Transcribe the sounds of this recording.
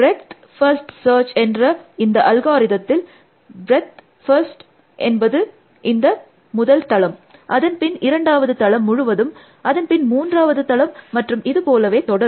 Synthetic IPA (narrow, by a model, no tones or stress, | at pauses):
bɾɛt̪ | fɐɾsʈsɐːɾt͡ʃɛndrɐɪnd̪ɐʔɐlɣaːɾɪðɐt̪ːɪl | bɾɛt̪ | fɐɾsʈ | ʔɛnbɐðɯ | ɪnd̪ɐ | mʊðɐlt̪ɐɭɐmʔɐðɐnpɪnɪɾɐɳɖaːʋɐðɯt̪ɐɭɐmːʊɻʊʋɐðɯm | ʔɐðɐnpɪnmuːndraːʋɐðɯt̪ɐɭɐmːɐʈrɯmɪðɯpoːlɐʋeːt̪ɔɽɐɾ